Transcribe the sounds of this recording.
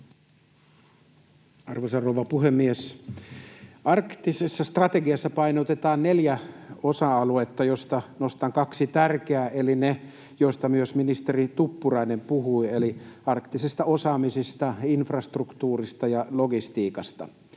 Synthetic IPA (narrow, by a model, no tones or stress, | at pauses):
ɑrʋosɑrrouʋɑpuhemːies | ɑrkt̪ːisesːɑst̪rɑt̪eɡiɑsːɑpɑinot̪et̪ɑːnneljæosɑɑluet̪ːɑjost̪ɑnost̪ɑŋkɑksit̪ærkeæːʔeline | jost̪ɑmyøsminist̪erit̪upːurɑinempuɦuieliɑrkt̪isest̪ɑosɑːmisist̪ɑinfrɑst̪rukt̪uːrist̪ɑjɑloɡist̪iːkɑst̪ɑ̰